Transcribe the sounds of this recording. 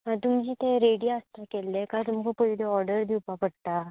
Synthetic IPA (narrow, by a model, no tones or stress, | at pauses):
ãt̪umd͡ʑiːt̪eɾeɽijaəst̪akelːekat̪umkopəɦileɔɾɖəɾd̪iwpapəɽt̪a